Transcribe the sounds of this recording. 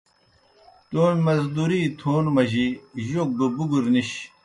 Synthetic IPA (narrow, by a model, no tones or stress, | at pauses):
t̪oːnmɐzd̪uɾit̪ʰoːnmɐʑiʑok̚d̪obuɡuɾniɕ